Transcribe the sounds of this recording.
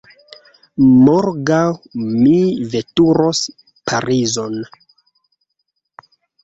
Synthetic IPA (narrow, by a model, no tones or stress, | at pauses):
moɾɡawmive̞tuɾos | pʰaɾizon